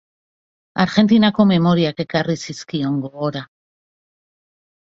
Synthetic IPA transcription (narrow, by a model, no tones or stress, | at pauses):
aɾʝe̞nt̪̬inako̞me̞mo̞ɾiake̞karisiskio̞ŋɡo̞ɣo̞ɾa